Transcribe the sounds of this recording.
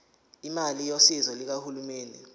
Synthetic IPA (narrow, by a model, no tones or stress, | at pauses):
imalijosizɔlik̬ahulumeːnʱɛ